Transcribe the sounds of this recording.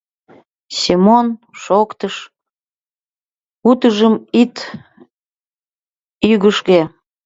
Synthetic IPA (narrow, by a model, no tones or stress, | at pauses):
simonʃokt̪əʃ | ut̪əʒəmit̪ | yɣəʃke